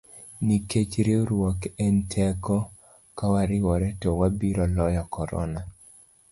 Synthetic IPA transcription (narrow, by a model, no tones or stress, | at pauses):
niket͡ʃɾeoɾwɔkɛntʰɛkɔ | kawaɾɪwɔɾɛtɔwabiɾɔlɔjɔkɔɾɔ̰na